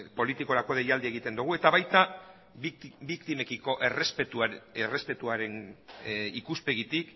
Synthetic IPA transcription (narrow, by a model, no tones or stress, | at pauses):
po̞lit̪iko̞ɾako̞ðejald̪ieɣit̪e̞nd̪uɣ̞ue̞t̪aβajt̪a | bikt̪ime̞kiko̞ʔerespet̪ere̞spe̞t̪uaɾe̞n | ikuspe̞ɣit̪ik